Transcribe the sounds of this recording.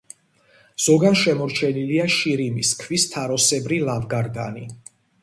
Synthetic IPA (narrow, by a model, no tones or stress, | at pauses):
z̥ɔɡanʃɛmɔɾt͡ʃʰɛniliaʃiɾimiskʰvist̪ʰaɾɔsɛbɾilavɡaɾɡa̰ni